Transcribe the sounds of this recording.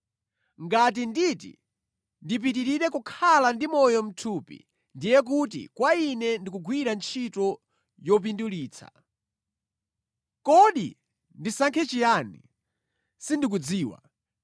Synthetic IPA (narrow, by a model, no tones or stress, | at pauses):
ŋɡat̬inditḭ | ndip̬itiɾiɾɛkukʰalandimɔjɔm̩tʰupḭ | ndijɛk̬ut̬ḭkwainɛndik̬uɡwiɾant͡ʃʰitɔ | jɔp̬induliːt͡sʰa̰̥ | kɔɗḭ | ndisaŋkʰɛt͡ʃijanḭ | sindik̬ud͡ziːwa̰